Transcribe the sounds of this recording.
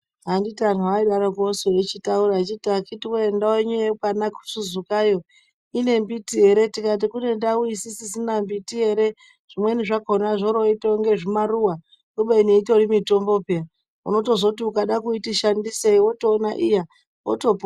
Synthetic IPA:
ɦanditian̤uaiɗaɾokosoet͡ʃitauɾat͡ʃitiakitiweendaweɲuepanaku̥suzukajo̞ | ine̞mbitiɦe̞ɾe̞tikat̬ikune̞ndauisisisinambitiɦe̞ɾe | ʐ̥imwe̞niʐakonaʐoɾoitoŋɡe̞ʐimaruwa | kuɓeineitoɾimito̞mbo̞pea | ṵno̞to̞zo̞tiukaɗakuitiʃandiseiwo̞toːnaʔija | wo̰top

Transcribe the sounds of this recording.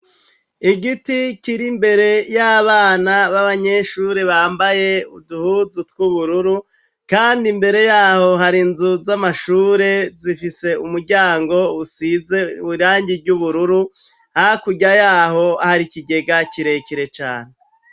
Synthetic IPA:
iɡiticiɾimbe̞ɾe̞jaβaːnaβaβaɲe̞ʃuːɾe̞βaːmbaje̞uduhuzutkwuβuɾuɾu | kaːndimbe̞ɾe̞jaːho̞ɦaɾinzuzamaʃuːɾe̞zifise̞umuɾɟaːŋɡo̞usize̞uβiɾaːɲɟiɾɟuβuɾuɾu | haakuɟajaːho̞ahaɾikiɡe̞ɡaciɾe̞ciɾe̞t͡ʃaːne

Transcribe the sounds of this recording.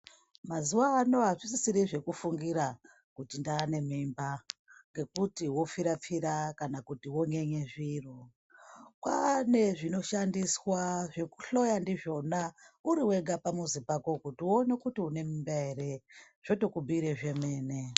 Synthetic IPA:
mazuwaːno̞ɦaʐisisiɾiʐe̞kufuŋɡiɾa | kutindaːne̞mimbaŋɡe̞kutiwo̞fiɾap͡fiɾakanakutiwo̞ɲe̞ɲe̞ʐiro | kwane̞ʐino̞ʃandiswaʐe̞ku̥ɬo̞jandiʐo̞nauɾiwe̞ɡapamuzipako̞kutiwone̞kutiune̞mimbaɦeɾe̞ | ʐ̥o̞to̞kubʱiɾeʐe̞me̞ːne̞

